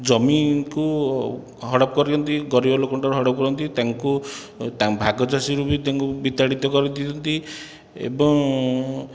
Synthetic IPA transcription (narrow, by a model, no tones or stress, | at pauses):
d͡ʒɔmiku | ɦɔɽɔp̚kɔɾiɔnt̪iɡɔɾibɔlokɔɳʈaɾuɦɔɽɔp̚kɔɾɔnt̪it̪aŋku | t̪abʱaɡɔd͡ʒasiɾubit̪aŋkubit̪aɽit̪ɔkɔɾit̪it̪ɔnt̪i | ḛbɔŋ